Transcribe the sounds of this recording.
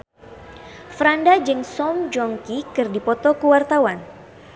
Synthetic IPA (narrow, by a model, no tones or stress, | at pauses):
fɾandad͡ʒɨŋsɔmd͡ʒɔŋkikɨrdipɔt̪ɔkuwart̪awan